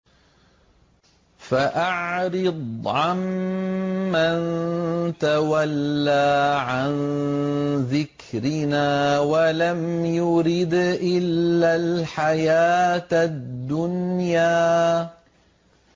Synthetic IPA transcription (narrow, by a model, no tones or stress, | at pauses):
faʔaʕɾɨd̪ˤʕamː | ant̪awalːaːʕan | ðɪk | ɾɪnaːwalamjʊɾɪd̪ʔɪlːalħajaːt̪ad̪ːʊnjaː